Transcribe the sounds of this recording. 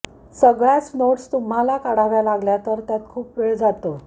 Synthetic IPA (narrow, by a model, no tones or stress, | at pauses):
səɡɭjat͡snoʈst̪um̤alakaɽ̤aʋjalaɡljat̪əɾt̪jat̪̚kʰuːpːʋeɭd͡zat̪o